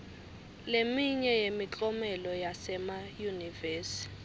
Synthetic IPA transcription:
lemiɲɛjemit͡ɬʼɔmɛlɔjasɛmajunivɛːsi̥

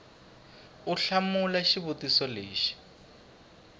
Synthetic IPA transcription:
uɬamulaʃiβutisɔleːʃi̥

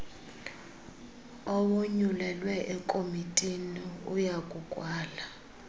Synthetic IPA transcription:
ɔwoɲulɛlwɛʔɛkʼomitʼiniujakʼukʼwaːla

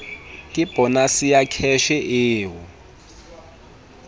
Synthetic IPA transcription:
kʼib̥ʱɔnasijakʰɛʃɛʔɪːɦɔ

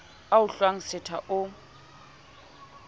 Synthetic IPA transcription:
aʊɬwaŋ̩sɪtʰaʔʊ

